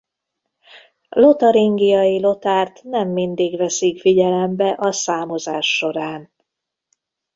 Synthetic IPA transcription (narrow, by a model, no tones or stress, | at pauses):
lo̞t̪ɒɾiŋɡijɒjilo̞t̪aːrt̪nɛmːind̪iɡʋɛsikfiɟɛlɛmbɛʔɒsaːmo̞zaːʃːo̞ɾaːn